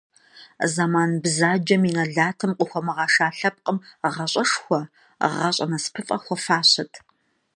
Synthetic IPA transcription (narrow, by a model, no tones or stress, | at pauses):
zamaːnbzaːd͡ʒɐminɐɮaːtʰɨmqʷʼʊxʷɔmɐʁɑːʂaːɬɐp̚qʼəmʁɐɕʼɐʂxʷɔ | ʁɐɕʼɐ̰nɐspʰɨfʼɐ̰xʷɔfaːɕɐtʰ